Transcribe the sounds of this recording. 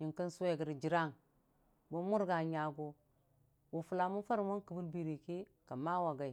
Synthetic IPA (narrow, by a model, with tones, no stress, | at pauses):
ɲi˨ŋki˦n˦su˦we˦˨ɡə˨ɾd͡ʒi˨ɾa˦˨ŋ | bo˦mu˦ɾɡa˨ɲa˨ɡu˨ | wu˨fu˨la˨mu˦fa˦ɾmo˦nkə˨bu˦lbi˨ɾi˨ki˦ | ka˨ma˦wa˨ɡa˨i˨